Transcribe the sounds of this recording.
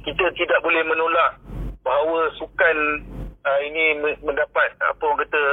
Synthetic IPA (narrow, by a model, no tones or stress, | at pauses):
kit̪ət̪idaʔ̚bolɛhmə̃nolaʔbaɦawəsukanəinĩməmə̃ndapat̪̚a̰pəwaŋkat̪ə